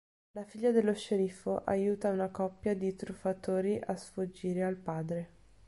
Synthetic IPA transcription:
lafiʎːad̪elːoʃːeɾifoʔa̰juːt̪aunakɔpːjad̪it̪ɾufːat̪oːɾiʔasfud͡ʒːiːɾealpaːd̪ɾe

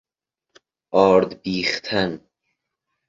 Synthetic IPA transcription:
ʔɒːɾd̪biːxt̪ʰæn

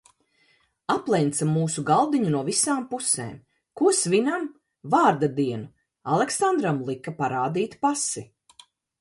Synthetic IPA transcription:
aplˠɛjnt̪samːuːsuɡalˠd̪iɲunuɔvisaːmpusḛːm | kuɔsvinam | vaːɾd̪ad̪iɛnu | alˠeksand̪ɾamlˠikapaɾaːd̪iːt̪pasi

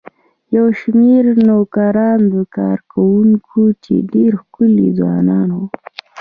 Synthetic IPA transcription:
jawʃmeɾnokaɾɑnd̪əkɑ̰ɾkawuŋkʰut͡ʃḛɖeɾxkʊlḭzwɑ̰nɑnwu

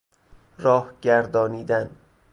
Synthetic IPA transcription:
ɾɒːhɟæɾd̪ɒːniːd̪æn

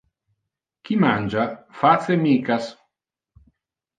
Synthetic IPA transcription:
kimand͡ʒafat̪semiːkas

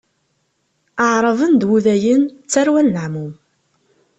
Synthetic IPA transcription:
əʕɾˤəvənd̪wuðæjənt͡sːæɾwænːəʕmum

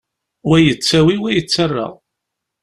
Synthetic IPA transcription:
wæjət͡sːæwiwæjət͡sːərːə̰ʁ

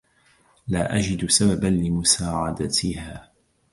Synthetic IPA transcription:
laːʔad͡ʒɪd̪sababanlɪmʊsaːʕad̪at̪ɪhaː

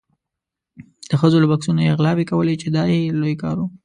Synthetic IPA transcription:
d̪̥əxəzolabaksunojeɣlɑwekawəlet͡ʃed̪ɑjelojkɑ̰ɾu

